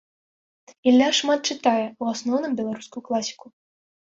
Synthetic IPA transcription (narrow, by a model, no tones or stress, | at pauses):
ilʲːaʂmat̪̚t͡ʂɨt̪ajɛuasnɔwnɨmbʲɛlˠaɾuskujuklˠasʲi̥ku